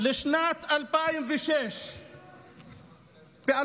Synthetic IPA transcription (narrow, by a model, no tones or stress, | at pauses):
lɪʃnaːt̪alpaːjɪmviʃeːʃ | biʔa